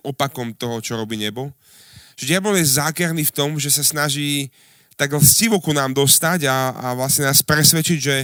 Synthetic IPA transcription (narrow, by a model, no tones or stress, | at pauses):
ɔpakɔmt̪ɔɦɔt͡ʃɔɾɔbiːɲɛbɔ | ʒdɪablɔlɛzaːkɛɾniːft̪ɔmʒɛsasnaʒiː | t̪aɡlsciʋɔkunaːmd̪ɔst̪aɟaa̰ʋlasɲɛnaːspɾɛsʋɛt͡ʃiɟʒɛ